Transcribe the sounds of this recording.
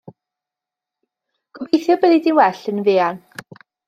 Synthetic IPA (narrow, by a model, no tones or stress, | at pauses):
ɡ̥ɔbejθjɔbɛðidɪwɛɬənvɪːan